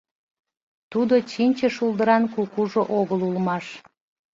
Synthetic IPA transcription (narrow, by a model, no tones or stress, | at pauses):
t̪ud̪ot͡ɕinʲt͡ɕəʃulˠd̪əɾɑnkukuʒoʔoɣəlulmɑʃ